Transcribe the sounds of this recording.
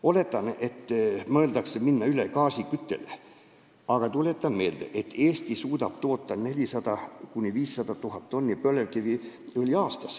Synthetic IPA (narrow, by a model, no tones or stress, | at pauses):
o̞le̞t̪ːˑɑne̞t̪ːmɤːld̪ɑkseminːɑylekɑːsikyt̪ːe̞̰le | ɑɡ̥ɑt̪ule̞t̪ːˑɑnme̞ːld̪̥ḛʔet̪ːeːst̪isuːd̪̥ɑb̥t̪o̞ːt̪ˑːɑne̞lʲisɑd̪̥ɑkunʲiviːsːɑd̪̥ɑt̪uɦɑt̪t̪ːo̞nːjpølevkiviolʲiɑːst̪ɑs